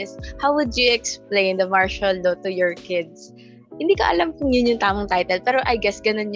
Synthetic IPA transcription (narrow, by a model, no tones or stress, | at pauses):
shawːʊd̪juʔɛksplẽjnd̪ɐmaɹʃɐlnot̪ʊjɔɹkɪd̪̚s | hɪnd̪iːkɐ̰ʔɐ̰lamkʊŋjʊnjʊŋt̪aːmɐŋt̪ajt̪ɛlpɛːɾoʔɐjɡɛsɡɐnonj